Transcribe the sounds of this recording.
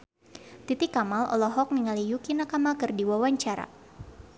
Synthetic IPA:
t̪it̪ikamalɔ̰lɔɦɔk̚miŋalijukinakamakɨrdiwawaɲt͡ʃaɾa̰

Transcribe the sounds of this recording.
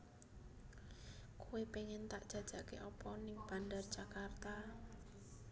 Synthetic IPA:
kuwepeŋɪnt̪aʔd̥ʒ̥a̤d̥ʒ̥a̤keʔɔpɔnɪŋb̥a̤ndərd̥ʒ̥akart̪a

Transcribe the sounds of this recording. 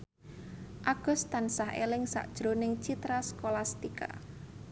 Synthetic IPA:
ʔaɡ̥ɔ̤st̪ansahḛlɪŋsa̰ʔd̥ʒ̥ɾonɪŋt͡ʃit̪ɾaskolast̪ika̰

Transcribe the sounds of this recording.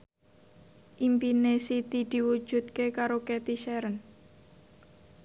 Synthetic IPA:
ʔimpinesit̪id̪̥i̤wud̥ʒ̥ṳt̪̚kekaɾoket̪iʃɛɾən

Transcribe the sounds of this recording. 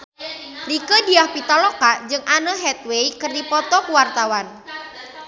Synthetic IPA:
rikədiahpit̪alokaʔd͡ʒɨŋanəɦɛt̪̚wejkərdipɔt̪ɔkuwart̪awan

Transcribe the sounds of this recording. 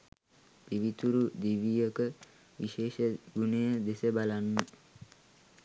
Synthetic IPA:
piʋit̪uɾud̪iʋijəkə | ʋiʃeːʃəɡunejəd̪esəbalanːə

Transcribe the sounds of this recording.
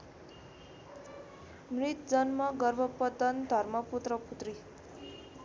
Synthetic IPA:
mrit̪̚d͡zʌnmʌɡʌrbʱʌpʌt̪ʌnd̪ʱʌrmʌput̪rʌput̪ri

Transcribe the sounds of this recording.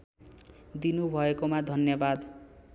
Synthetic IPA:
d̪inubʱʌekomad̪ʱʌnjʌbad̪

